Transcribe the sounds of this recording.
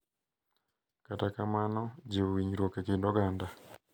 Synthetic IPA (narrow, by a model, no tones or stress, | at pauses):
katakamanɔd͡ʒewiɲɾwokekendɔɡanda